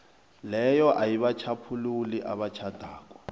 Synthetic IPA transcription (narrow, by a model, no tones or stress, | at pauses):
lɛjɔʔajiβat͡ʃʰapʰululiʔaβat͡ʃʰad̥ʱaːkʼwa